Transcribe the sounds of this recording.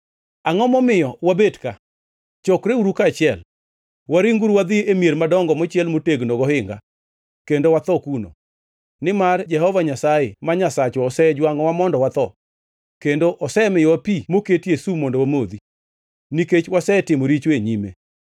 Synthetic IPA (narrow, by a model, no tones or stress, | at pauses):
aŋɔmɔmɪjɔwabedka | t͡ʃɔkɾeuɾukat͡ʃɪɛl | waɾiŋɡuɾwad̪ɪemjeɾmadɔŋɡɔmɔt͡ʃjɛlmoteɡnɔɡɔhɪŋɡa̰ | kendowat̪ɔkuno̰ | nɪmard͡ʒɛhɔvaɲasajemaɲasat͡ʃɔːsɛd͡ʒwaŋɔwamɔndɔwat̪ɔ | kendoʔɔsɛmɪwapimoketjesumondowamod̪i | niket͡ʃwasɛtɪmoɾit͡ʃweɲimḛ